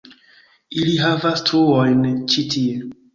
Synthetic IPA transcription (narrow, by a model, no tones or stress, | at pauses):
iliɦavastʰuojnt͡ʃitʰie